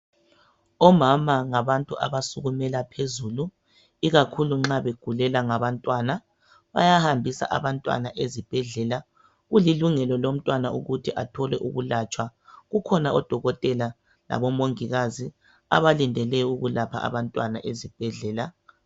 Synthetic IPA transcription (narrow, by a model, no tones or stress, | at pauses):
ɔmamaŋaβantʼuʔa̰βasuɣumɛlapʰezulu | iɣakʰuluŋ͡ǁaβeɡ̥ʱulɛlaŋaβantʼwana | βa̰jahambʱisa̰ʔa̰βantʼwa̰naʔezib̥ʱɛɮɛla | ɣuliluŋɛlɔlom̩tʼwanauɣutʰiʔatʰɔlɛʔṵɣulat͡ʃʼwaɣukʰɔnaɔd̥ʱɔɣɔtʼɛla | la̰βɔmoŋiɣazi | a̰βalindʱɛlɛuɣulapʰa̰a̰βantʼwana̰ʔezib̥ʱɛɮɛːla